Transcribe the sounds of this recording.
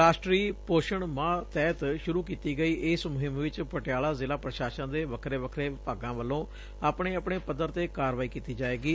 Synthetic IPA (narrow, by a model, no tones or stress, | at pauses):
ɾaːʃʈɾiːpoːʃəɳmãːt̪ɛːt̪ʃʊɾuːkiːt̪iːɡəiːʔɪsmʊɦɪmʋɪt͡ʃpəʈɪjaːlaːzɪlaːpɾəʃaːʃãːd̪eːʋəkʰɾeːʋəkʰɾeːpaːɡãːʋəlːõː | aːpɳeːapɳeːpəd̪əɾt̪eːkaːɾʋaːiːkiːt̪iːd͡ʒaːeːɡiː